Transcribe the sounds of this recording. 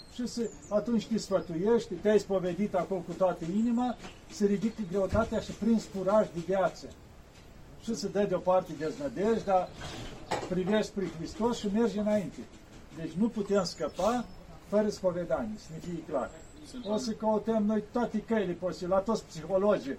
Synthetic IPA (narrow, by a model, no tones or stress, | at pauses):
ʃɨsə | at̪unt͡ʃʲt̪isfət̪ujeʃt̪ʲt̪ejspoved̪it̪akolkut̪oat̪əinima | səɾid̪ikɡɾeut̪at̪eaʃɨpɾinsfuɾaʒd̪evjat̪sə | ʃɨsəd̪əd̪ʲopart̪ed̪eznəd̪eʒd̪a | pɾiveʃt̪ʲpɾixɾist̪osʃɨmerd͡ʒenaint̪e | d̪et͡ʃʲnuput̪emskəpa | fəɾəspoved̪anʲisnefijekla̰r | osəkəot̪əmnojt̪oat̪ekəjleposilat̪ot̪spsixolod͡ʒi